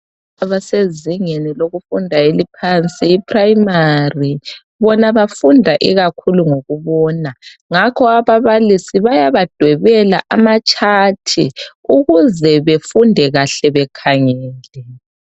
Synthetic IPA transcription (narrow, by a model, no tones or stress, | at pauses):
aβaseziŋeniloɣufundʱaelipʰant͡sʼiːpʰʼrajimari | βɔnaβafundʱaʔḭɣakʰuluŋoɣuβɔːnaŋakʰɔaβaβalisiβajaβad̥ʱwɛβɛla̰ʔamat͡ʃʼatʰḭuɣuzɛβefundʱɛɣaɬɛβɛkʰaŋɛːlɛ